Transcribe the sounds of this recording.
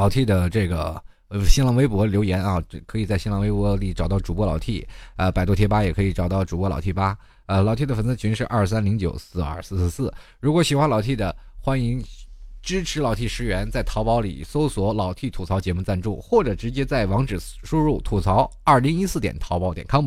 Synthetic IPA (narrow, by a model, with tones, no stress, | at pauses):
lɑ˨˩ʊt̪ʰi˥˩d̪ə˩ʈ͡ʂɤ˥˩ɡə̰˩ | ɕi˥nlɑ˧˥ŋwe˥ɪpwɔ˧˥ljo˧˥ʊjɛ˧˥nɑ˥˧˩kʰɤ˧˥i˨˩t͡sa˥˩ɪɕi˥nlɑ˧˥ŋwe˥ɪpɔ˧˥li˨˩ʈ͡ʂɑ˨˩ʊt̪ɑ˥˩ʊʈ͡ʂu˨˩pwɔ˧˥lɑ˨˩ʊt̪ʰi˥˩ə˧pa˨˩ɪwɔ˥t̪ʰjɛ˥pa˥jɛ˨˩kʰɤ˧˥i˧˩ʈ͡ʂɑ˨˩ʊt̪ɑ˥˩ʊʈ͡ʂu˨˩pwɔ˧˥lɑ˨˩ʊt̪ʰi˥˩pa˥ | ə˧lɑ˨˩ʊt̪ʰi˥˩d̪ə˩fə˨˩nt͡s̩˥˩t͡ɕʰy˧˥ŋʂɻ̩˥˧ʔɐ̰˥˩ʂsa˥nli˧˥ŋt͡ɕjo˨˩ʊsɹ̩˥˧ɐ̰˞˥˧s̩˥˧˥sɹ̩˥˩ | ɻu˧˥kwɔ˧˥ɕi˨˩xwa˥nlɑ˨˩ʊt̪ʰi˥˩d̪ə˩xwa˥ni˧˥ŋʈ͡ʂɻ̩˥ʈ͡ʂʰɻ̩˧˥lɑ˨˩ʊt̪ʰi˥˩ʂɻ̩˧˥ɥɛ˧˥nt͡sa˥˩ɪt̪ʰɑ˧˥pɑ˧˥ʊlḭ˨˩so˥ʊswɔ˧˥lɑ˨˩ʊt̪ʰi˥˩t̪ʰu˨˩t͡sʰɑ˧˥ʊt͡ɕjɛ˧˥mu˥˧t͡sa˥˧nʈ͡ʂu˥˩xwɔ˥˩ʈ͡ʂɤ˨˩ʈ͡ʂɻ̩˧˥t͡ɕjɛ˥t͡sa˥˩ɪwɑ˧˥ŋʈ͡ʂɻ̩˨˩ | ʂu˥ɻu˥˩t̪ʰu˨˩t͡sʰɑ˧˥ʊɐ˥˩li˧˥ŋi˥sɹ̩˥˩t̪jɛ̰˨˩nt̪ʰɑ˧˥pɑ˥t̪jɛ˨˩nkʰɑ˥ŋm˥